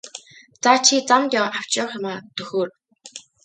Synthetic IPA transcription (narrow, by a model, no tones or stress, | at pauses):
t͡sat͡ɕʰit͡samt̪jaʔaw̥t͡ɕʊwχjʊmaːt̪ɵxoːr